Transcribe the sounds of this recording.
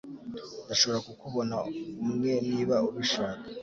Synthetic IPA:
ndaʃo̞βo̞ɾakukuβo̞naumŋe̞niːβauβiʃaːkḁ

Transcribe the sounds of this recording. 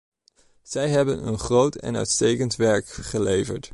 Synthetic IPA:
z̥ɛjɦɛbənə̰nχrowtɛ̰nœ̰ɥtstejkəntʋɛɹkχəlejvə̰ɹt

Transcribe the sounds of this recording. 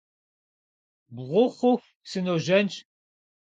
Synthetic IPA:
bʁʷʊχʷʊf | sɨnoːʒɐnt͡ʃʼ

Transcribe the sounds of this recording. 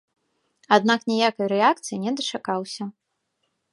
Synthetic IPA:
ad̪̚naknʲɛjakɐjɾɛak̚t̪sɨjinʲɛd̪ɐt͡ʂakawsʲɐ

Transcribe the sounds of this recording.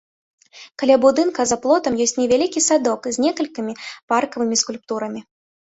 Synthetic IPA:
kalʲabud̪ɨnkɐzɐplˠɔt̪ɐmjɔsʲt͡sʲnʲɛvʲalʲikʲisad̪ɔkzʲnʲɛkɐlʲkʲimʲiparkɐvɨmʲiskulʲpt̪uɾɐmʲi

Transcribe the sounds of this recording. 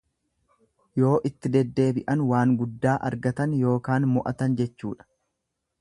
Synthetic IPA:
jo̞ːʔɪt̪ːɪd̪ɛd̪ːe̞ːbɪʔɐnwaːŋɡʊd̪ːaːʔɐ̰ɾɡɐt̪ɐnjo̞ːkaːnmʊʔɐ̰t̪ɐnd͡ʒɛt͡ʃːuːᶑɐ̥

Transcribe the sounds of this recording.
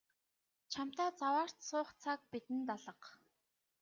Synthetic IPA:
t͡ɕʰam̥t̪aːt͡sawaːr̥t̪sʊːχt͡sʰak̚pit̪ɘ̆nt̪aɮə̆q

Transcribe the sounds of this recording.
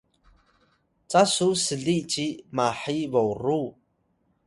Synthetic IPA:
t͡sʼasusəɮiʔt͡ʃimaħivowru

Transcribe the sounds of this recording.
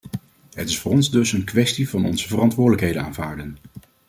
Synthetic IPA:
ɦətɪsfʊːrɔnzdɵsənkʋɛstivɑnɔ̰nzəvərɑntʋʊːdələkɦejdəna̰ːnvaːɹdən

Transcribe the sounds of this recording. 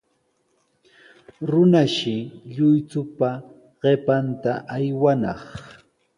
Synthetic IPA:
ɾʊnaʃɪʎʊjt͡sʊpa | ɢ̥epant̪aʔajwanɑ̰χ

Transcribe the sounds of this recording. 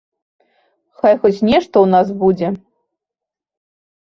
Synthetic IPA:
xajxɔt͡sʲnʲɛʂt̪ɔwnasbud͡zʲɛ

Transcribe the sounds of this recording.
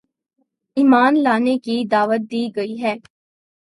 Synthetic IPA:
iːmaːnlaːnekid̪aːʋət̪̚d̪iːɡɐiɦɛː

